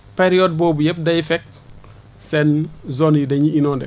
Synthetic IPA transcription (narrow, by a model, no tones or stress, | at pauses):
peɾiɔd̚bɔːbujɛp̚dɐjfɛk̚ | sɛnzɔnjidɐɲiinɔːndɛ